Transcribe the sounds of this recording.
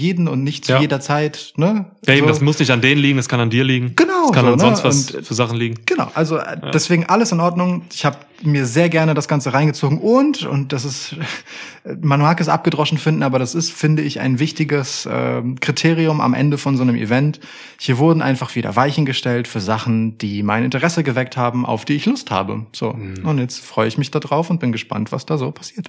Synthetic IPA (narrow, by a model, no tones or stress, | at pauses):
jeːdn̩ʊntnɪçtt͡sjujeːdɐt͡saɪtnəaeːbm̩mʊsnɪçtandeːnənliːɡŋ̩daskʰanandiːɐliːɡŋ̩ɡ̥ənaʊskʰanːnɔstvaʊsntfyːɐzaχn̩liːɡŋ̩ɡ̥əna̰ʊʔalzodɛsv̥eːɡŋ̩ʔaləsɪnʔɔɐdnʊŋɪçhaːbə | miːɐzeːɐɡɛɐnədasɡ̥ant͡səʁaɪnɡət͡soːɡŋ̩ʔʊntʊ̰nt̚d̥as̬ɪst | manuaːkɪs̬ʔa̰p̚ɡ̥ədʁɔʃn̩fɪndn̩ʔaːbɐɾasɪstfɪndəɪça̰ɪnvɪçtɪɡəsʔɛ̰ːkʁ̥itʰeːʁiʊma̰mʔɛ̰ndəfɔnzoːnəmʔḭvɛnt | hiːɐvʊɐdn̩ʔa̰ɪnfaχv̥iːdɐ̰vaɪçn̩ɡəʃtɛltfyːɐzaχn̩d̥iːmaɪnɪntəʁɛsəɡəvɛk̚thaːbm̩ʔa̰ʊfd̥iːɪçlʊstha̰ːbə̰z̥o̰ːʔʊntjɛt͡stfʁ̥ɔʏəɪçmɪçd̥adʁaʊfʊnt̚b̥ɪnɡəʃpa̰ntv̥a̰sd̥aːzoːpʰḁsiːɐt